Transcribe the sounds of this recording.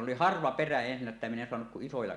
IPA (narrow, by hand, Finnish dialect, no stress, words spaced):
oli hɑrʋɑ peræ ensinːæ etːæ min en soɑnuk kuʔ ʔisojɑ